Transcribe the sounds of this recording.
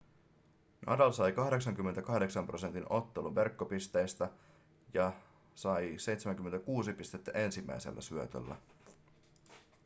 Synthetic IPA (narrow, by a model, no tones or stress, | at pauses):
nɑ̰dɑlsɑjkɑhde̞ksɑŋk̟ymːent̪ækɑhde̞ksɑmpro̞se̞nt̪ino̞t̪ːe̞luʋʋe̞rkːopist̪e̞jst̪æ | jɑ | sɑjse̞jt̪semæŋkymːent̪ækuːsipist̪e̞t̪ːæʔe̞nsimːæ̰jsḛlːæ̰syøt̪ø̰lːæ̰